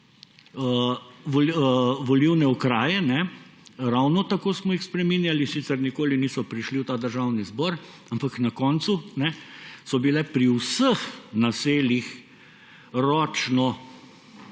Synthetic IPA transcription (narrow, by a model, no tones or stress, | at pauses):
əʋɔlʋɔliwnɛɔkɾaːjɛnɛɾawnɔt̪akoːsmɔixspɾɛmiːnjalisiːt̪sɛɾnikoːliniːsɔpɾiʃliwt̪aːd̪əɾʒaːwnizbɔːɾ | ampaknɐkɔːnt̪sunɛsɔbilɛpɾiwsəxnaseːlix | ɾɔːt͡ʃnɔ